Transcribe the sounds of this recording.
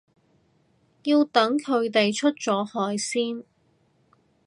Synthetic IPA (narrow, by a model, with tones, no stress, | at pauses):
jiː˧wt̪ɐ˨˥ŋkʰɵ˨˧ɥt̪e˨jt͡ʃʰɵ˥t̚t͡sɔː˨˥hɔː˨˧jsiː˥n